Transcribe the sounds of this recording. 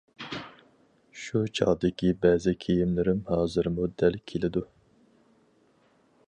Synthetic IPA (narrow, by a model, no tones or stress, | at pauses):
ʃut͡ʃʰɑ̰ʁd̪ɪkʲibɛːzɪkʲʰejimlɪɾɪmhɑːzɨɾmud̪ɛlkʲʰelɪd̪u